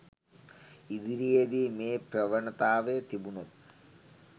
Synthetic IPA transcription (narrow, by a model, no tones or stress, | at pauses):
id̪iɾijed̪imeːpɾɐʋɐɳɐt̪aːʋet̪ibunot̪̚